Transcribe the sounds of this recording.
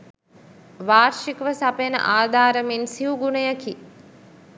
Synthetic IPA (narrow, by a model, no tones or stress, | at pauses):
ʋaːɾʃikʋəsɐpjnə̰ʔaːd̪ʱaːɾəmensiuɡunəjəki